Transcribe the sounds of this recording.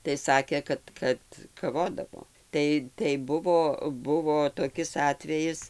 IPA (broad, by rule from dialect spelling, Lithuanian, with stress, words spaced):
tɐɪ ˈsɑːkʲeː ˈkɐt kɐt kɐˈʋoːdɐʋoː ˈtɐɪ tɐɪ ˈbʊʋoː ˈbʊʋoː toːˈkʲɪs ˈɑːtʲʋʲɛjɪs